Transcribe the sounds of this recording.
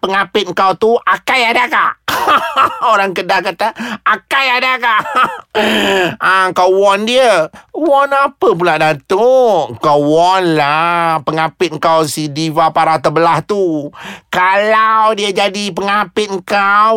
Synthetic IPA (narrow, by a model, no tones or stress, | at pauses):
pəŋapɪt̪̚ŋ̩kawt̪uakajadaka̰ʔ | oɾaŋkədakat̪aakajadakaʔ | akawɔndiəwɔnapəp̬ulaʔdat̪okawɔnlapəŋapɪt̪̚ŋkawsidivapaɾat̪əbəlaht̪ukalawdiəd͡ʒadip̬əŋapɪt̪̚ŋkaw